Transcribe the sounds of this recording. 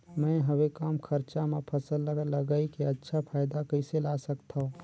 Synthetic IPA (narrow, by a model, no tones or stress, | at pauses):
mɛ̃ɦəwekaːmkʰəɾt͡ʃamẽpʰəsəlːəɡələɡaːikeətːʃʰapʰaːɪd̪akəɪselaːsəkt̪ʰaũ